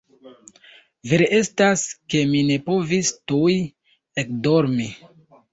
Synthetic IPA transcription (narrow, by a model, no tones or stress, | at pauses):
veɾeʔe̞staske̞mine̞po̞vistuj | ekdo̞ɾmi